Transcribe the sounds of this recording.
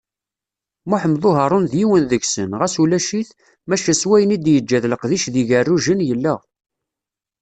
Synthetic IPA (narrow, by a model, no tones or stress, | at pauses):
muħəmðˤoɦɑɾˤonðjiwənðəɡsənʁæsulæʃiθ | mæʃæswæjənid̪jəd͡ʒːæðləqðiʃðiʝərːuʒənjəlːəʁ